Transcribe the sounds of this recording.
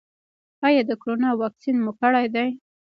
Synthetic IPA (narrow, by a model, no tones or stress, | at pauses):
ɑjɑd̪əkoɾonɑwɑksinmʊkəɽajd̪aj